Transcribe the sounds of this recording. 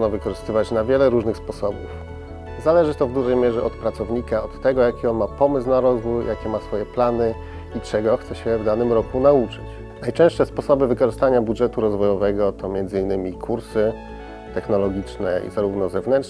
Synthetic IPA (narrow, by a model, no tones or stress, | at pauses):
nɔvɘkɔʐɘst̪ɘvat͡ɕnavʲjɛlɛɾuʐnɘxspɔsɔbṵf | zalɛʐɘt̪ɔvd̪uʐɛjmʲjɛʐɛʔɔt̪pɾat̪sɔvɲikaɔt̪ːɛɡɔjakʲiɔnmapɔmɘs̬naɾɔzvujjakʲɛmasfɔjɛplanɘ | it͡ʂɛɡɔxt̪sɛɕɛvd̪anɘmɾɔkunaut͡ʂɘt͡ɕ | najt͡ʂɛ̃w̃ʂtʂɛspɔsɔbɘvɘkɔʐɘst̪aɲabudʐɛt̪uɾɔzvɔjɔvɛɡɔt̪ʰɔmʲjɛnd̪zɘinːɘmʲikʰuɾsɘ | t̪ɛxnɔlɔɡʲit͡ʂnɛ̰ḭzaɾuvnɔzɛvnɛn